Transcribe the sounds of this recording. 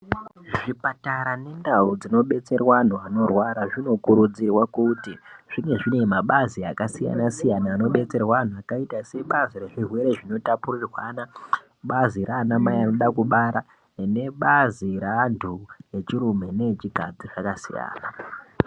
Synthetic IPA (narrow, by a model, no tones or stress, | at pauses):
ʐʐipataɾane̞ndaud͡zino̞ɓe̞t͡se̞rwan̤uano̞rwaɾaʐino̞kuɾud͡zirwakutiʐ̥iŋɡe̞ʐine̞maɓaziakasija̰nasijanaːno̞ɓe̞t͡se̞rwaan̤uakaitase̞ɓaziɾe̞ʐirwe̞ɾe̞ʐino̞tapurirwana | ɓaziɾaːnamaano̞ɗakuɓaɾa | ne̞ɓaziɾandʰʱuje̞t͡ʃiɾume̞ne̞t͡ʃiɡʱad͡ziʐ̥akasḭja̰ːna